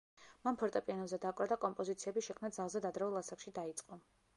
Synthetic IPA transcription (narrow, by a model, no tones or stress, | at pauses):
manpʰɔɾt̪ʼɔpʼianɔbzɛd̪akʼvɾad̪akʼɔmpʼɔzit̪sʰiɛbiʃɛkʰmnad̪zalˠzɛd̪ad̪ɾɛulˠasakʃid̪ait̪sʼqʼɔ